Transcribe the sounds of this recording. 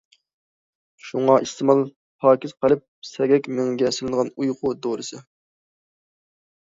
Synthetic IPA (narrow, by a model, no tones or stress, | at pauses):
ʃuŋɑʔɨst̪ʰɨmɑlˠ | pʰɑːkʲiz̥qəlˠɨp̚sɛɡʲɛkʲmyŋɡʲɛsɪlɪnəʁɑnujqʰʊd̪oɾɨsɨ